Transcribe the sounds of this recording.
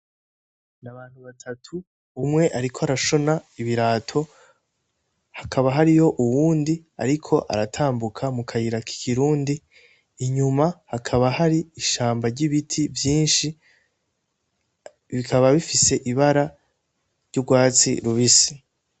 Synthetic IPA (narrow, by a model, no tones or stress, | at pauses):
naβaːn̥huβatʰatʰu | umŋe̞ʔaɾikʰoaɾaʃo̞naiβiɾaːtʰo̞ | hakʰaβaɦaɾijo̞ʔuwuːndi | a̰ɾikʰo̞ʔa̰ɾatʰaːmbukʰamukʰajiɾakʰi̥kʰiɾuːndiː | ɲumahakʰaβahaɾiːʃaːmbaɾɟiβitʰivjiːnʃi | βikʰaβaβifise̞ʔiβaɾa | ɾɟuɡwaːt͡sḭɾuβisi̥